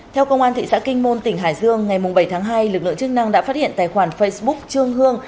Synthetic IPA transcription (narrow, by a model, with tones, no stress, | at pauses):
t̪ʰɛ˧wkə˧wʔaː˧nt̪ʰḭ˧˨sa̰ː˧˥kï˧ŋ̟mo˧nt̪ï˧˩ɦaː˧˩jzɨ˧əŋːa˨˩jmʊ˨˩ŋ͡mɓə˧˩jt̪ʰaː˨˦ŋɦaː˧jlɨ˨˩k̚lɨ̰˧˨əŋt͡ɕɨ˦˥k̚na˧ŋɗa̰ː˧˥faː˦˥t̚hḭ˧˨ənt̪a̰ː˧˨jxwaː˧˩nfə˧jsɓʊ˦˥k̚t͡ɕɨ˧əŋhɨ˧əŋ